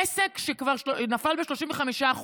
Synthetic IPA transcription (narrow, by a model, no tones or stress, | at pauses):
esekʃekvaʁʃnafalbeʃlo̞ʃiɱveχamiʃaːχ